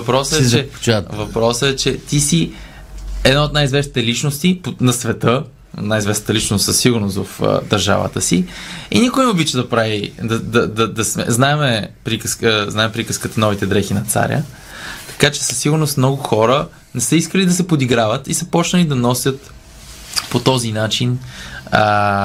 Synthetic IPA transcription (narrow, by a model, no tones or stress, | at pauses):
vɐpɾɔsəɛt͡ʃɛt͡ʃvɐpɾɔsəɛt͡ʃɛt̪isi | ɛd̪naot̪najizvɛsnit̪ɛlit͡ʃnost̪iponɐsvɛt̪ə | najizvɛsnət̪əlit͡ʃnost̪səsːiɡʊɾnost̪vɐfd̪ɐɾʒa̰və̰t̪əsiḭnikʊjmobit͡ʃəd̪ɐpɾavid̪ɐd̪ɐd̪ɐd̪ɐsmɛ̰znaɛmɛpɾikskznaɛmɛpɾikəskət̪ənɔvit̪ɛd̪ɾɛxinɐt̪sa̰ɾʲə̰ | t̪ɐ̥kat͡ʃɛ̥sə̥sːiɡʊɾnost̪mnɔɡʊxɔɾə | nɛsəiskəlid̪ɐsɛpod̪iɡɾavət̪isəpɔt͡ʃnəlid̪ɐnɔsʲjət̪ | pot̪ɔzinat͡ʃin